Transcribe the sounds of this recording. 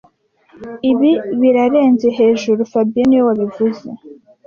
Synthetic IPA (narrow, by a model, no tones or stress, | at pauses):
iβiβiɾaɾe̞ːnze̞ɦe̞ːʒuɾufabijeniwowaβivuze̞